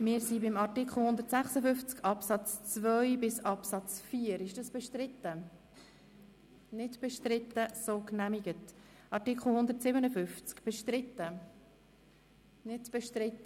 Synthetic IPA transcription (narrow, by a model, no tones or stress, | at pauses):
mɪːɾsibɪmɑɾtɪkχl̩ˠhʊnd̪əɾtsæχsəfʏft͡skɑpsɑt͡st͡svœʏbɪsɑpsɑt͡sfiːəɾɪʃd̥ɑsb̥ɛʃtɾɪtːə | nɪdb̥ɛʃtɾɪt̪ːəsoːknæmiɡ̥ət | ʔɑɾtikχl̩ˠhʊnd̪əɾtsɪbənəfʏft͡skb̥ɛʃtɾɪtːə | nɪtb̥ɛʃtɾɪtːə